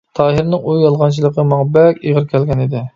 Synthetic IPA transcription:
t̪ʰɑːɦɨɾnɪŋujjɑlˠʁɑnt͡ʃʰilˠəqəmɑŋbɛkʲeʁəɾkʲʰɛlɡʲɛnɪd̪ɪ

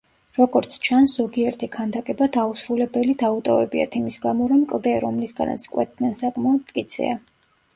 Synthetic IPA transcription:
ɾɔɡɔɾt̪sʰt͡ʃʰanszɔɡiɛɾt̪ʰikʰand̪akʼɛbad̪ausɾulɛbɛlid̪aut̪ʼɔvɛbia̰t̪ʰimisɡamɔɾɔmkʼlˠd̪ɛɾɔmlisɡa̰na̰t̪sʰkʼwɛ̰t̪̚d̪nɛnsakʼmaɔd̪mt̪kʼit̪sʰɛ̰a

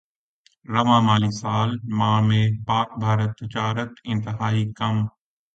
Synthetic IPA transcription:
ɾɐmaːmaːlisaːlmãːmẽpaːk̚bʱaːɾət̪ʋɪt͡ɕaːɾət̪ɪ̃nt̪ɪɦaːikɐm

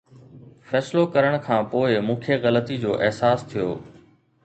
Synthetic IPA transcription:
fɛːslokɐɾəɽ̃kʰãːpoːɪmũːkʰeɣɐlət̪id͡ʑoːʔɛɦsaːst̪ʰijo̰ː

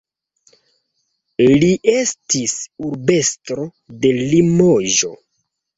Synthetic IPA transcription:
liʔe̞stisuɾbe̞stɾo̞ | de̞limoʒo̞

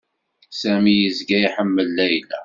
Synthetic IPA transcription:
sæmijəzɡæjħəmːəlːæjlæ̰

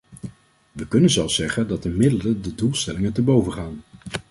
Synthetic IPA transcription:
ʋəkɵnənzɛlˠfsɛχəndɑt̚əmɪdələndədulˠstɛlɪŋəntəbowvəχaːn

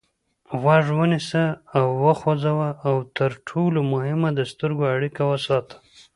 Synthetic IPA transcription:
ɣaʐwənisəːwːəxod͡zawəawt̪əɾʈʰolomʊhɪmad̪əst̪əɾɡoaɽikawəsɑt̪ʰə̥

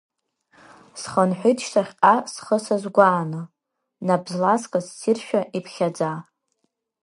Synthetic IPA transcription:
sχənħʷijtʰʼʃtʰaχʲqasχəsazɡʷaːnɨ | nabzlaskʼassirʃᶣaʔipʰχʲad͡za

